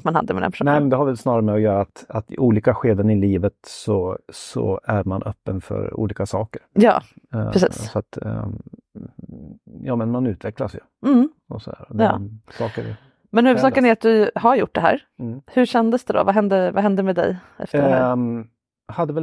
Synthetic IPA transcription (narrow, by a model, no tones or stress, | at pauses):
t̪manhad̪ːəmɛ̰d̪ɛ̰npʰʂunɛmɛnd̪ɛhaɾvɛlsnɑːɾaɾəmɛɔjœːɾaːt̪at̪uːliːkaɧeːd̪ənɪliːvət̪sɔsɔ̰æɾmanʔœ̰pːənfœ̰ɾṵːliːkasɑːkəɾjɑ̰ːɾɛsḭːsssɔat̪ | jɑːmɛnmanʉ̟ːt̪vɛklasjɵ̰m̩ | ɔsɔd̪æːɾɔd̪̰ːsɑːkəɾɪ̰ | mɛnhʉːvəd̪sɑːkənæɾat̪̚d̪ɵhaɾjʊʈːd̪ɛɦæ̰ːɾ | hɵɕɛnd̪əsd̪ɛd̪ɔ̰vaɦɛnd̪əvaɦɛnd̪əmɛd̪ɛ̰j | ɛ̰ft̪ə | had̪ːəvɛl